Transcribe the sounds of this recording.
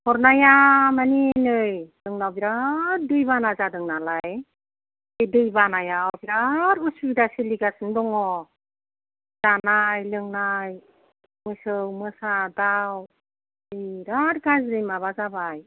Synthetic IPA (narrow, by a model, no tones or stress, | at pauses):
hʰɔɾnajamaninɯjlɯŋnawbiɾaɾ̚dɯjbanazadɯŋnalaj | edɯjbanajawbiɾaɾusubiɾaseliɡasɯndɔŋɔ | z̥anajlɯŋnaj | mɯsɯwmɯsadaw | iɾaɾɡazɾɯjmaβazabaj